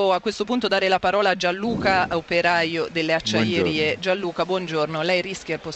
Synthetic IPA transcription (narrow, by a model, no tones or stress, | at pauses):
oakːwest̪opunt̪od̪aːɾelapaɾɔːlaːd͡ʒanːuːkaaopeɾajod̪elːeat͡ʃːajeɾiːed͡ʒalːuːkabwɔnd͡ʒornolɛjriskjerpo